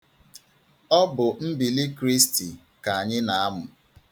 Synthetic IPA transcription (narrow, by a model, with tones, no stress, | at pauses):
ɔ˦bʊ˨m̩˦bi˨li˦kɾi˦sti˨ | ka˨a˨ɲɪ˦na˨a˦mʊ˨